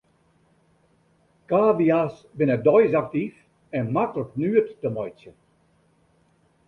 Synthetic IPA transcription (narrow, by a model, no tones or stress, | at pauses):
kaːviasbɪnədɔjzak̚tif | ɛnmatləknyːətːəmɔjt͡ʃə